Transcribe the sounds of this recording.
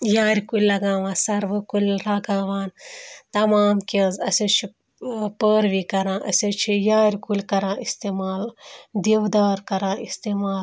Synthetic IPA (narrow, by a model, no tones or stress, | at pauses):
jaːɾʲkulʲlːɐɡãːʋãːsɐɾʋɨkulʲɾaɡaːʋaːnt̪ɐmaːmkʲẽzɐsʲɐt͡ʃʰi | pəːɾʋiːkɐɾãːʔɐ̰sʲɐt͡ʃʰijaːɾʲkulʲkɐɾãːist̪eːmaːld̪eʋd̪aːɾkɐɾãːist̪eːmaːl